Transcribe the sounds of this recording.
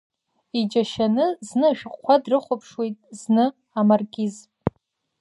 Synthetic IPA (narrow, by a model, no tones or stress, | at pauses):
id͡ʒaʃanɨznɨʒᶣqʷːadrɨχʷapʰʂwejtʼznɨ | amarɡʲʼizpʼ